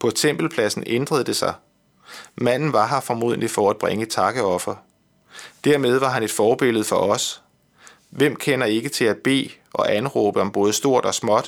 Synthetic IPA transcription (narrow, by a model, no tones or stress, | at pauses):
pʰɒ̽t͡sʰem̰b̥l̩pʰlæsn̩end̥ʁɐðˠd̥e̝sɑ̈ɪ | mæn̰n̩ʋɑ̈ɦɑ̈fɒmo̝ð̰ˠn̩lifɒæd̥̚b̥ʁeŋət͡sʰɑ̈ɡ̥əɒ̽fɐ | d̥æɐmeð̞ˠʋɑ̈ɦæne̝d̥fɒːb̥e̝l̰ð̞̩ˠfɒ̽ʔɒ̽s | ʋem̰kʰenɐe̝ɡ̥ət͡sʰe̝læ̥b̥e̝̰ː | ʔɒ̽ʔænʁoːb̥əɒ̽mb̥ɔ̽ːðˠəsd̥o̝ɐ̰d̥ɒ̽smɒ̽d̥